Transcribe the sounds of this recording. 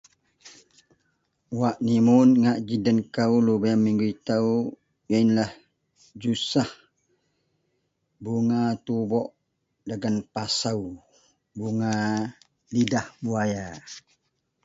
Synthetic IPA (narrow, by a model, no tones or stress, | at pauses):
waʔnimʊnŋaʔd͡ʒidənkawlubajamːiŋɡuit̪au | janlah | d͡ʒusah | buŋat̪ubɔʔ | daɡanpasaw | buŋa | lidahbuaja